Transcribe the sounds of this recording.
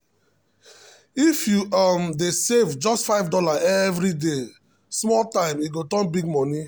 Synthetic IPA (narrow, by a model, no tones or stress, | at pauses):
ifjuamdesevd͡ʒɔstfaɪvdɔlaʔɛvɾide | smɔltãɪ̃miɡotɔ̃nbiɡmɔ̃ni